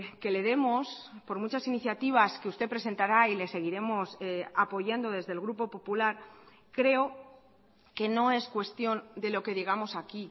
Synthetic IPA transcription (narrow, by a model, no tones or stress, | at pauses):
ke̞le̞ð̞e̞mospo̞ɾmut͡ʃasiniθjat̪iβ̞aske̞ust̪e̞pɾe̞s̬e̞nt̪aɾaile̞se̞ɣ̞iɾe̞mo̞sapo̞ʝand̪o̞ð̞e̞zðe̞lɣ̞ɾupo̞po̞pulaɾ | kɾe̞o̞ | ke̞no̞e̞skwe̞st̪jo̞nd̪e̞lo̞ke̞ðeɣ̞amo̞saki